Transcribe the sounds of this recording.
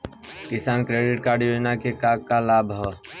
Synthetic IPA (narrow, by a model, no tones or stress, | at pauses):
kɪsaːnkɾeːɖɪʈkaːɖionakekaːɡkalaːbʱɦɔː